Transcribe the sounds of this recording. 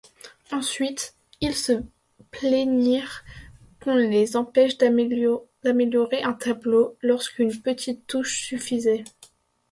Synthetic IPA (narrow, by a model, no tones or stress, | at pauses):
ɑ̃sɥit̪ | ilsə | pleniʁ | kɔ̃lezɑ̃pɛʃd̪ | d̪ameljɔʁeʔɛ̃t̪ʰablolɔʁskynpət̪ʰit̪ːuʃsyfizɛ